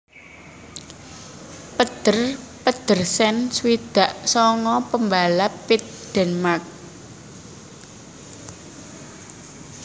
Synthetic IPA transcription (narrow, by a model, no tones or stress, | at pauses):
pəd̪̥ərpəd̪̥ərsɛnswid̪̥a̤ʔsɔŋɔpəmbalapit̪̚d̪̥ɛ̤nmark̚